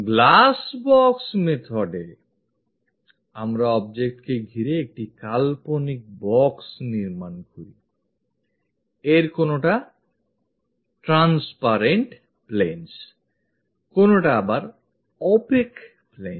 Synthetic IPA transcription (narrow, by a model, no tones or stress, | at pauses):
ɡlasbɔksmet̪ʰoɖe | amɾaɔbd͡ʑek̚ʈkeɡʱiɾeek̚ʈikalponik̚bɔksniɾmankoɾḭ | eɾkonoʈa | ʈɾanspaɾeɳʈ | plens | konoʈaabaɾ | ɔpek | plḛn